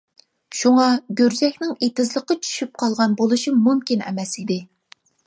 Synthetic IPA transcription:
ʃuŋɑɡʲøɾd͡ʒɛxʲnɪŋet̪ɪzlˠəqːɑt͡ʃʰy̥ʃyp̚qʰɑlˠʁɑnbolˠuʃimumkʲinɛ̰mɛsid̪ɪ

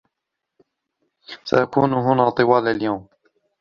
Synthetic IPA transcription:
sa̰ʔakṵːnɦʊnaːt̪ˤɨwaːlaljawm

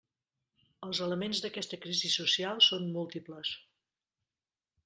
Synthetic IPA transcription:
əlˠzələmenzðəkɛst̪əkɾizisusialˠsonmulˠt̪ipləs

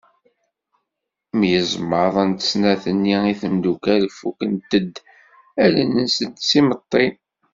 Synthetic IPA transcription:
mjəzmːəɾðˤənt̪ə̥snæθənːiiθəmd̪ukæləfːukənt̪əd̪ | ælənənsənt̪simət̪ˤːen

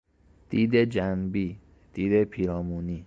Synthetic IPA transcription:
d̪̥iːd̪ed͡ʒænbiː | d̪̥iːd̪epʰiːɾɒːmuːni

